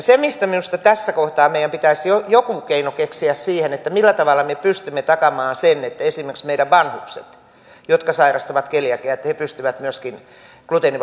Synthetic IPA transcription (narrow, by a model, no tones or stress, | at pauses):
semist̪æminust̪ɑt̪æsːækoht̪ɑːmeijæmpit̪æisjojokukeinokeksiæssiːhenet̪ːæmilːæt̪ɑʋɑlːɑmepyst̪ymːet̪ɑkɑmɑːnsenet̪ːæesimerksmeiɾæʋʋɑnhuksḛt̪ | jot̪kɑsɑirɑst̪ɑʋɑt̪keljækeæet̪ːæhepyst̪yʋæt̪myøskin | klut̪eniʋ